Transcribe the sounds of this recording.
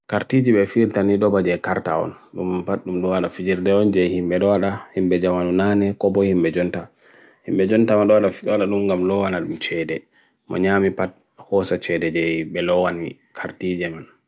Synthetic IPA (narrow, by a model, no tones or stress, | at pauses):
kaɾtid͡ʒiɓɛfiɾtaniɗɔbad͡ʒɛkaɾta̰ɔ̰nɗumpatɗumɗɔwaɗafid͡ʒiɾdɛɔnd͡ʒɛjhimbɛɗɔwaɗahimbɛd͡ʒamanunanɛkɔbɔhimɓɛd͡ʒɔnta | himɓɛd͡ʒɔntamanɗɔwaɗaɔwaɗaɗumŋɡamlɔwanaɗumt͡ʃɛdɛ | mɔ̰ɲaːmipat̚ | hɔsat͡ʃɛdɛd͡ʒɛjbɛlɔwani | kʰaɾtid͡ʒɛman